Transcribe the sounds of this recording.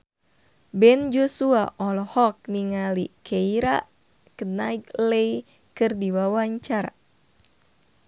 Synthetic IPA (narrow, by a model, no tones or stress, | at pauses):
bɛnd͡ʒosuaʔɔlɔhɔk̚niŋalikʰeiɾaʔ | kənaiklei | kɨrdiwawaɲt͡ʃaɾa